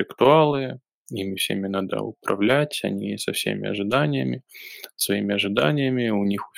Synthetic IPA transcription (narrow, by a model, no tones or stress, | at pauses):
ɪkt̪ʊalˠɨ | imʲɪfsʲḛmʲɪnad̪ə̰ʊ̰pɾɐ̰vlʲætʲɐ̰nʲisɐfsʲḛmʲɪ̰ɐ̰ʐɨd̪anʲɪjə̰mʲɪssvɐimʲɪɐʐɨd̪anʲɪjəmʲɪʊnʲix